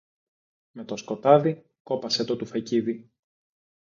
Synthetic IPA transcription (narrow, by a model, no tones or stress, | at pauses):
me̞t̪o̞sko̞t̪ɐði | ko̞pɐse̞t̪o̞t̪ufɐciði